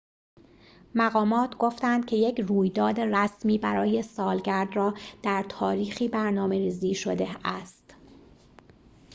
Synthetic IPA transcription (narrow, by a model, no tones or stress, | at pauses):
mæɣɒːmɒːt̪ʰɡo̞ft̪ænd̪̚cʰe̞je̞cʰruːjd̪ɒːd̪e̞ræsmiːbæɾɒːje̞sɒːlɟæɾd̪rɒːd̪̥æɾt̪ʰɒːɾiːxiːbæɾnɒːme̞ɾiːziːʃod̪e̞æst̪